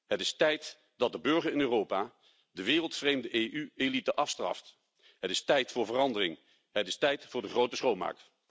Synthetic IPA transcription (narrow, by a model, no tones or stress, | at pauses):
ɦətɪstɛjt | d̥ɑd̚dəbɵɹχəɹɪnøːrowpaː | dəʋɪːrəlˠtfrejmdəʔeʔyelitəʔɑfstrɑ̰ft | ɦətɪstɛjtfʊːɹvərɑndərɪŋ | ɦətɪstɛjtfʊːɹdəχrowtəsχowma̰ːk̚t